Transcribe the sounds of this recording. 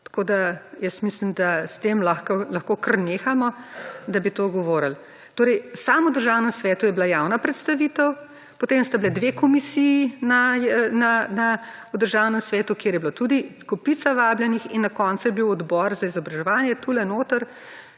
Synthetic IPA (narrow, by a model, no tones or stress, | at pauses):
t̪ɐ̥koːd̪ajəsmislimd̪ast̪emlaxkolɐxkokəɾneːxamɔd̪abit̪oːɡɔʋɔːɾəl | t̪oːɾɛjsaːmud̪əɾʒaːwnɛmsʋɛːt̪ujɛblajaːwnapɾɛt̪st̪aʋiːt̪əw | pɔt̪emst̪ablɛd̪ʋekɔmisijːnananaud̪əɾʒaːwnɛmsʋɛːt̪ukjeːɾjɛbilot̪ud̪ikɔpitt͡s̪aʋaːbljɛnixinːakɔnsujɛbiwɔd̪bɔɾzaizɔbɾɐʒɛʋaːnjɛt̪ulɛnoːt̪əɾ